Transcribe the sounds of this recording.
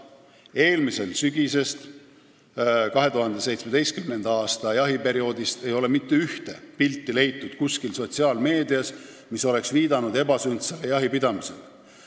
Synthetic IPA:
e̞ːlmise̞lsyɡ̥ise̞st̪ | kɑɦe̞t̪uɦɑnd̪̥e̞se̞jt̪smed̪e̞jst̪kymnend̪̥ɑɑːst̪ɑjɑɦipe̞ɾio̞ːd̪ist̪e̞jo̞le̞mit̪ːe̞yht̪e̞̰pilt̪ːile̞jt̪ːˑud̪̥kuskilso̞t̪siɑːlme̞ːd̪iɑs | miso̞le̞ksviːd̪ɑnud̪e̞bɑsynd̪selejɑɦipid̪̥ɑmise̞̰l

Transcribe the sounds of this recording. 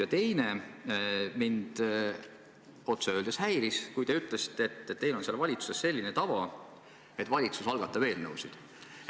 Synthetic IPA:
jɑt̪e̞jne | mind̪̥ | o̞t̪seø̞ːld̪̥eshæjɾiskujd̪eyt̪ːˑlesi̥t̪ːˑet̪ːt̪ːe̞jlo̞nselːvɑlʲit̪su̥sesse̞lʲːinet̪ɑvɑ | e̞t̪ːvɑlʲit̪susɑlɡ̥ɑt̪ːˑɑve̞ːlnɤwsid̪̥

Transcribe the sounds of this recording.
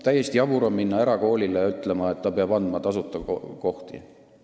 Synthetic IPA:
t̪æjːest̪iɑbuɾomminːɑeɾɑko̞ːlʲilejɑyt̪ˑle̞mɑe̞t̪ːɑpeɑb̥ɑnd̪mɑt̪ɑsut̪ːˑɑko̞ht̪ḭ

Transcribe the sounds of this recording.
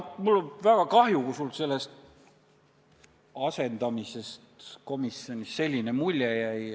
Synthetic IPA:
mulːovæɡ̥ɑkɑhjukusulse̞lːe̞st̪ | ɑse̞nd̪̥ɑmise̞st̪ko̞misˑo̞nʲisːe̞lʲːinemulʲjejæj

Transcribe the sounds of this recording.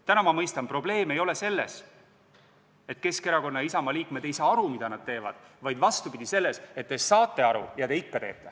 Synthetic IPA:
t̪ænɑmɑmɤjst̪ɑnpro̞b̥le̞ːme̞jo̞le̞se̞lːḛs | et̪̚ːˑke̞ske̞ɾɑko̞nːɑisɑmɑliːkmed̪̥e̞jsɑːɑɾumid̪̥ɑnɑd̥̪̚t̪e̞ːvɑ̰d̪̥vɑjd̪vɑst̪upid̪̥ise̞lːese̞t̪ːesɑːt̪ːˑe̞ɑɾṵjɑd̪e̞ikːɑt̪e̞ːt̪ːˑe̞

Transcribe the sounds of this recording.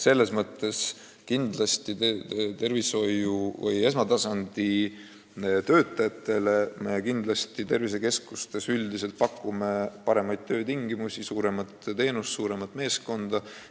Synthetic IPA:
se̞lːe̞smɤt̪ːˑe̞s | kind̪lɑst̪it̪e̞rviso̞juvɤ̰je̞s̬mɑt̪ɑsɑnd̪̥i | t̪ø̞ːt̪ːˑɑjɑt̪ːˑe̞le̞me̞kind̪̥lɑst̪it̪e̞rvis̬e̞ke̞skust̪e̞syld̪ise̞lt̪̚pɑkːˑume̞pɑɾe̞mɑjdt̪̚t̪ʰø̞ːt̪iŋɡimusisuːɾe̞mɑt̪t̪e̞ːnust̪suːɾe̞mɑt̪ːˑme̞ːsko̞nd̪̥ɑ

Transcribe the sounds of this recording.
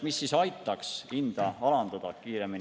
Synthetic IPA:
misːisɑjt̪ːˑɑksind̪̥ɑɑlɑnd̪̥ɑd̪̥ɑkiːɾe̞min

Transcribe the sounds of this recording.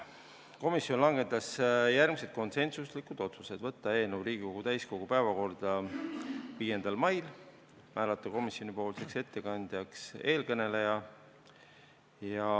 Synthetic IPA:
ko̞misjo̞nlɑŋɡ̥e̞t̪ːˑɑsjærɡmise̞t̪̚ko̞nse̞nsuslikud̪̥o̞t̪suse̞d̪̥vɤt̪ːɑe̞ːlnevuɾiːɡ̥iko̞ɡ̥ut̪æjsko̞ɡ̥upæevɑko̞rd̪̥ɑ | viːje̞nd̪̥ɑlmɑjl | mæːlɑt̪ːˑɑko̞misjonipo̞ːlse̞kse̞t̪ːe̞kɑnʲd̪̥jɑkse̞ːlkɤne̞le̞jɑ | jɑ

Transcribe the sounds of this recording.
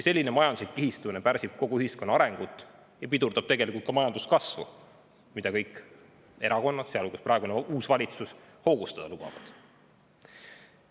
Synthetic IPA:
jɑse̞lʲːinemɑjɑnd̪uslikːihist̪umnepæɾsib̥̚ko̞ɡ̥uyhisko̞nːɑɑɾe̞ŋɡ̥ut̪ːˑ | jɑpid̪urd̪ɑb̥̚t̪e̞ɡ̥e̞likult̪kɑmɑjɑnd̪̥uskɑsvṵ | mid̪ɑkɤ̞jkːˑ | e̞ɾɑko̞nːɑt̪seɑluɡusprɑeɡuneuːsvɑlʲit̪susho̞ːɡ̥ust̪ɑd̪̥ɑlub̥ɑ̰vɑ̰d̪̥

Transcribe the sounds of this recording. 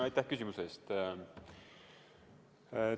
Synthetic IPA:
ɑjt̪ːæhkysʲimuseːst̪

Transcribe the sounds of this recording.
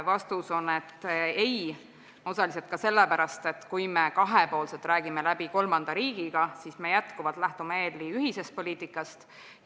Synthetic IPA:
vɑst̪uso̞ne̞t̪ːe̞j | o̞sɑlis̬e̞lt̪̚kɑse̞lːepæɾɑst̪e̞t̪kujme̞kɑɦepo̞ːlse̞lt̪ˑræːɡ̥imelæb̥iko̞lmɑnd̪ɑɾiːɡ̥iɡ̥ɑsisme̞jæt̪kuvɑlt̪ˑlæht̪umeeːlːiyhise̞st̪̚po̞lʲiːt̪ikːˑɑst̪

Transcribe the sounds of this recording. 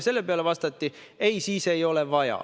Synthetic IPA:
se̞lːe̞pe̞ɑle̞vɑst̪ɑt̪ːi | e̞jsiːse̞jo̞le̞vɑjɑ̰

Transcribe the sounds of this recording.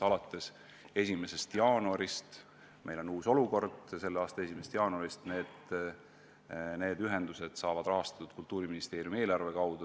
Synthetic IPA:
ɑlɑt̪ːˑe̞s | e̞s̬ʲime̞se̞st̪jɑːnuɑɾist̪ | mʔe̞jlo̞nuːso̞luko̞rd̪̥se̞lːeɑːst̪ɑe̞s̬ʲimest̪jɑːnuɑɾist̪ne̞ːd̪̥ | ne̞ːd̪̥yɦe̞nd̪̥use̞d̪̥sɑːvɑd̪rɑɦɑst̪ɑ̥t̪ːud̪̥̚kult̪ːˑuːɾiminist̪e̞ːɾiumie̞ːlɑrve̞kɑwd̪̥u

